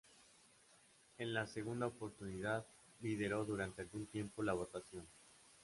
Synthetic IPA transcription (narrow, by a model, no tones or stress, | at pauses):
enlase̞ɣ̞und̪aopo̞ɾt̪uniðað | lið̞e̞ɾo̞ðuɾant̪e̞alɣunt̪je̞mpo̞laβ̞o̞t̪asjo̞n